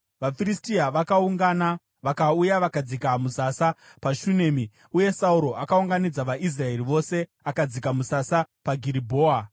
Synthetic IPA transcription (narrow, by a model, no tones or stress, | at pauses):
ʋafiristiaʋakauŋɡana | ʋakaujaʋakad͡zikamusasapaʃuneːmi | uje̞sauɾo̞ʔakauŋɡanid͡zaʋaʔis̬rae̞riʋo̞se̞ | akad͡zikamusasapaɡʱiɾibʱo̞ːa